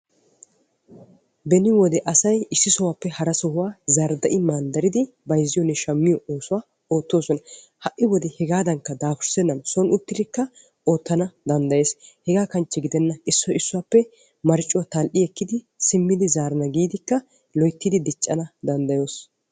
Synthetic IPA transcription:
bɛnɪwɔd̪ɛʔɐsɐjɪsːɪsɔwaːpːɛhɐɾɐsɔhʊwaːzɐɾd̪ɐʔɪmaːnd̪ɐɾɪd̪ɪ | bɐjzːɪjɔnːɛʃɐmːɪjɔoːsʊwaː | o̞ːt̪ːo̞ːsɔnɐ | hɐʔːɪwɔd̪ɛhɛɡaːd̪ɐŋkːɐd̪aːfʊɾsɛnːɐnsɔnʊt̪ːɪd̪ɪkːɐ | o̞ːt̪ːɐnɐd̪ɐnd̪ɐje̞ːshɛɡaːkɐnt͡ʃːɛɡɪd̪ɛnːɐʔɪsːɔɪsːʊwaːpːɛ | mɐɾt͡ʃʼːʊwat̪ɐlʔɪɛkːɪd̪ɪ | sɪmːɪd̪ɪzaːɾɐnɐɡiːd̪ɪkːɐ | lɔjt̪ːɪd̪ɪd̪ɪt͡ʃʼːɐnɐd̪ɐnd̪ɐjoːs

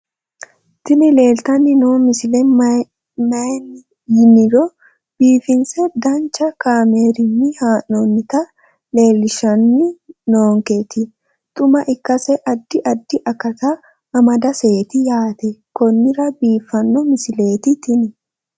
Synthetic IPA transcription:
t̪ɪnɪle̞ːlt̪ɐnːɪnoːmɪsɪlɛ | mɐjnɪ | jɪnɪɾɔ | b̥iːfɪnsɛd̪ɐnt͡ʃːɐkaːmeːɾɪnːɪhaːnːonːɪt̪ɐ | le̞ːlːɪʃɐnːɪnoːŋket̪ɪ | t̪ʼʊmɐʔɪkːɐsɛʔɐd̪ːɪʔɐd̪ːɪʔɐkːɐt̪ɐ | ɐmɐd̪ɐse̞ːt̪ɪjaːt̪ɛkɔnːɪɾɐbiːfːɐnːɔmɪsɪle̞ːt̪ɪt̪ʰɪnɪ

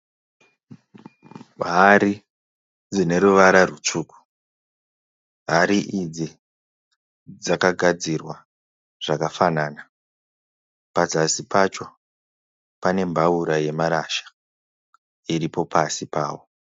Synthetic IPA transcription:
ɦaɾi | d͡zine̞ɾuʋaɾarut͡ʂuːku̥ | ɦaɾiʔid͡zi | d͡zakaɡʱad͡zirwa | ʐ̥akafanaːna | pad͡zasipat͡ʃo̞ | pane̞mbʱauɾaje̞maɾaʃḁ | iɾipo̞pʰasipaːwo̞

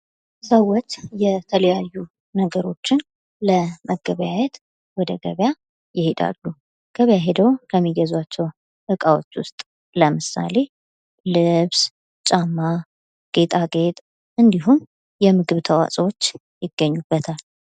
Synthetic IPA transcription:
səwɔt̪jɛt̪ʰələjajːu | nəɡəɾo̞t͡ʃːɪn | ləməɡəβjajɛt̪ | wɔd̪əɡə̰βja | jɪhed̪a̰lːu | ɡ̥əβjaɦed̪əwkʰəmːiɡəzwat͡ʃːɛw | ʔɨkʼawot͡ʃːwʊst̪ʼ | ləmɨsa̰le̞ | lɨβs | t͡ʃʼamːa | ɡ̥e̞t̪ʼaɡe̞t̪ʼ | ʔɨnd̪iɦum | jɛmɨɡɨβt̪ʰəwa̰sʼwot͡ʃː | jɪɡ̥ːəɲːub̥ːət̪ʰal

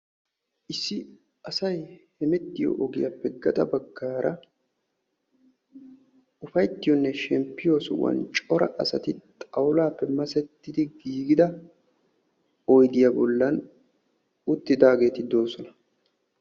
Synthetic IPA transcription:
ʔɪsːɪ | ɐsɐjhɛmɛt̪ːɪjo̰ʔɔɡɪjapːɛɡɐt̪ʼɐbɐɡːaːɾʔɐ | ʊfɐjt̪ːɪjɔnːɛʃɛmpːɪjoːsʊwɐ̰nt͡ʃʼɔɾɐ̰ʔɐsɐt̪ɪt̪ʼɐwlaːpːɛmɐsɛt̪ːɪd̪ɪɡiːɡɪd̪ɐ | ɔjd̪ɪjabɔlːɐn | ʊt̪ːɪd̪aːɡe̞ːt̪ɪd̪o̞ːsɔnɐ

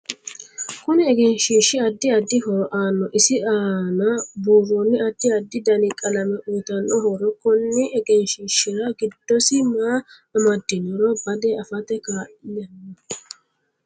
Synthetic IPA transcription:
kʊnɪɛɡɛnʃɪʃɪɐd̪ːɪɐd̪ːɪhoːʔaːnːɔʔɪsɪaːnɐbuːrɔnːɪɐd̪ːɪɐd̪ːɪd̪ɐnɪkʼɐlɐmɛʔʊjt̪ɐnːɔhɔɾɔkːɔnːɪʔɛɡɛnʃɪːʃːɪɾɐɡɪd̪ːɔsɪmaː | ɐmɐd̪ːɪnɔɾɔbɐd̪eɐfɐt̪ɛkaːʔɪnɐnːɔ

